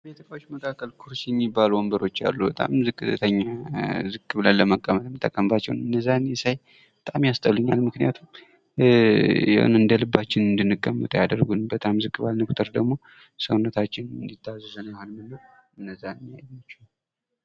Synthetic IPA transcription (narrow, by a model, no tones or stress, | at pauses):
bjɛt̪ʰəkʼawot͡ʃːməkʰakʰːəlkʰuɾsjɛmːibːalwombəɾo̞t͡ʃːa̰lːubət̪ʼa̰mzɨkʼːɨt̪ʰəɲːazɨɡʼɨβlənlːəməkʼːəmət̪mɨt̪ʰʼːəkʼːəmbat͡ʃːɛwnɨnːəzːanjɛsaj | bət̪ʼamjast̪ʼəβlɨɲːalmɨknijat̪ʰum | ja̰w̰nɨnd̪əlɨbːat͡ʃːɪnɨnd̪ɨnːɨkʼːəmːə̰t̪ʼjad̪əɾɡunbət̪ʼamzɨkʼːɨβalnəkʰʷʼu̥t̪ʰʼəɾd̪əɡmo̞ | səwunːət̪ʰat͡ʃːɪnɨnd̪it̪ːazuzənjahonmɨnːəw | ɨnːəzːanɨmijajat͡ʃːɛw